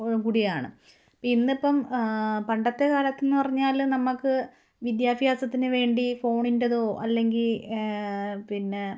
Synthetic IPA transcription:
kuɽijaːɳɨ̰ | pinːepːɐmpɐɳɖɐt̪ːe̞kaːlɐt̪ːenːɨpɐrɐɲːaːlnɐmːɐkːɨ | ʋid̪jaːbʱijaːsɐt̪ːinɨʋe̞ːɳɖifo̞ːɳindɐðo̞ːʔɐlːe̞ŋɡil | pinːe̞

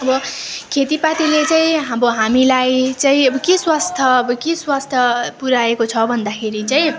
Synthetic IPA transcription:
ʌbʌkʰet̪ipat̪ilet͡saĩɦabʌɦamilajt͡saĩʌbʌkeswast̪ʰʌʌbʌkiswast̪ʰʌpuɾaekot͡sʰʌbʱʌnd̪akʰeɾit͡saĩ

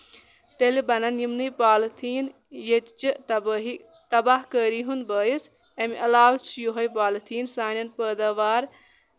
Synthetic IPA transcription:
t̪elibɐnɐnjimnɨjpaːlt̪ʰiːn | jet̪t͡ʃii | t̪ɐbaɦkəɾiɦunbɐːjis | ɐmiʔɐlaːʋt͡ʃʰjoɦɐjpaːlt̪ʰiːnsaːnʲɐnpəːd̪ɐʋaːɾ

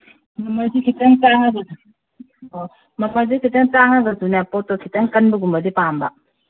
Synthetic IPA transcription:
mamazikʰitɐŋtaŋɐɡɐsu | o | mɐpazikʰitɐŋtaŋɐɡɐsunapotokʰitɐŋkɐnbɐɡumbɐdipambɐ̰

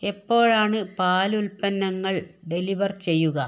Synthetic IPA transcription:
e̞pːo̞ːɻaːɳɨpaːlulpɐnːɐŋːɐɭɖe̞liʋɐrt͡ɕe̞jːuɣɐ

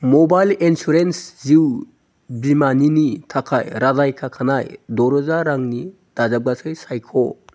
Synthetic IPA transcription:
mɔbajlinsuɾensziw | bimaninitʰakʰajɾadajkʰakʰanajdɔɾɔzaɾaŋni | d̥azap̚ɡasɯjsajkʰɔ

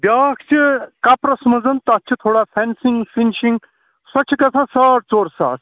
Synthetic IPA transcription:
bʲjaːkʰt͡ʃʰikapɾɐsmɐd͡zɐnt̪ɐːt͡ʃʰit̪ʰoːɽapʰɛnsiŋɡpinsiŋɡ | sɐt͡ʃʰikɐt͡sʰãːsɐɽt͡soːɾsa̰ːɾ

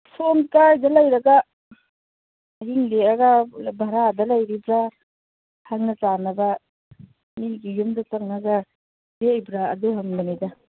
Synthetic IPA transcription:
sonkajdɐlɐjɾɐɡa | ɦiŋleaɡabʱaɾadɐlɐjɾibɾa | haŋnɐtanɐbɐ | miɡijumdɐtɐŋnaɡa | dejbɾa̰ːduɦɐmmanida

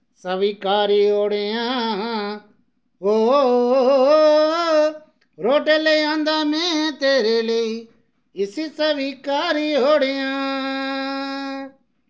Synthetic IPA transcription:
səʋiːkaːɾiːɦoːɽeːjãː | oː | ɾoːʈeːleːjãːnd̪aːmẽːt̪eːɾeːlei | ɪsiːsəʋiːkaːɾiːɦoːɽejãː

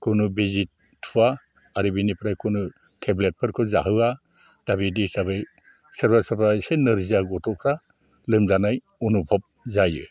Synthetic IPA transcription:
kʰɯnubizit̚ | tʰːua | aɾibinipʰɾajkʰɯnu | tʰeblet̚pʰɯɾkʰɯzaɦɯwa | d̥abidisabɯj | sɐɾbasapʰajsenɯɾziaɡɔtʰɔpʰɾa | lɯmzanaj | ɔnupʰɔp̚zajɯ̰

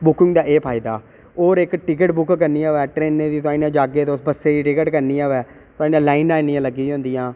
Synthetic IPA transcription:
bʊkɪ̃ŋɡd̪aːʔeːpʰaːɪd̪aː | oːɾɪkʈɪk̬əʈbʊkkəɾniːaːʋɛːʈɾeːnẽːd̪iːt̪ʊãːiːnãːd͡ʒaːɡeːt̪osbəseːiːʈɪkəʈkəɾniːaːʋɛː | t̪ʊãːiːnãːlaːɪnaːniːãːləɡːiːɦõːnd̪iːãː

